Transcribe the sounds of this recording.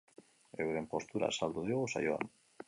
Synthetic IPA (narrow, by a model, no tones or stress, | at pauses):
e̞wɾempo̞st̪uɾa̰sald̪uðioɣosa̰joa̰n